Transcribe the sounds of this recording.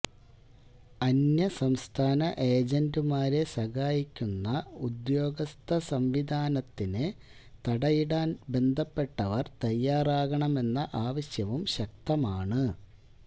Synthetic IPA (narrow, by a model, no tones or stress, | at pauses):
ɐnjɐsɐmst̪ʰaːnɐʔe̞ːd͡ʑendumaːɾe̞sɐɣaːjikʲːunːɐud̪jo̞ːɡɐst̪ʰɐsɐmʋid̪ʱaːnɐt̪ːinɨ | t̪ɐɽɐjiɽaːnbe̞nd̪ʱɐpːe̞ʈːɐʋɐrt̪ɐjːaːraːɣɐɳɐme̞nːɐʔaːʋɐɕjɐʋumɕɐk̚t̪ɐmaːɳɨ